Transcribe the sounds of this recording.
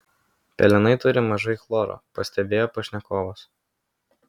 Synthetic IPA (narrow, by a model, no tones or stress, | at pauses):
pʲɛ̰lʲɪnɐɪt̪ʊɾʲɪmɐʒɐɪklˠoːɾo̰ːpɐsʲt̪ʲɛbʲeːjoːpɐʃʲnʲɛkoːʋos